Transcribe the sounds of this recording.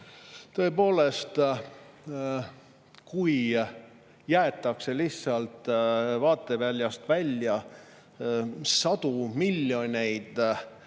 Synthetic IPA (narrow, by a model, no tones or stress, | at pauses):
t̪ɤ̞e̞po̞ːle̞st̪ | kuj | jæet̪ːˑɑkse̞lisːɑlt̪vɑːt̪ːˑevælʲjɑst̪vælʲjɑ | sɑd̪̥umilʲːjo̞nʲe̞jd̪̥